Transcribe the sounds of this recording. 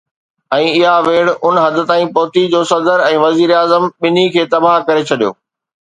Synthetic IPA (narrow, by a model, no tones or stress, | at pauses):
ɛ̃ːɪɦaʋeːɽʊnɦɐd̪ə̆t̪ãːĩpɔɦt̪id͡ʑoːsɐd̪əɾɛ̃ːʋɐziːɾaːzəmɓɪnikʰeːt̪ɐbaɦkɐɾet͡ɕʰɐɗijo̰ː